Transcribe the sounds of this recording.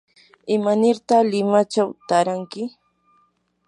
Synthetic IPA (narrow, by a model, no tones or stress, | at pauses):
ɪmanɪɾt̪alɪmat͡ʃawt̪aɾaŋkɪ